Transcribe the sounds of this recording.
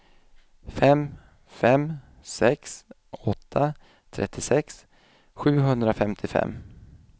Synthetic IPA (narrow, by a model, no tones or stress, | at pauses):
fɛm | fɛm | sɛks | ɔt̪ʰːa | t̪ʰɾɛ̰t̪ʰːɪsɛks | ɧʉ̟ːɦɵnd̪ɾafɛmt̪ʰɪfɛ̰mː